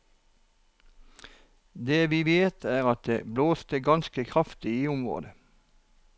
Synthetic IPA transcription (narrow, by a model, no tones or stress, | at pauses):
d̪eːʋiːʋeːt̪ʰæːʁɑt̪̚d̪ḛːbloːst̪əɡɑnskəkʰʁɑft̪ɪiːʊmʁo̰ːd̪ə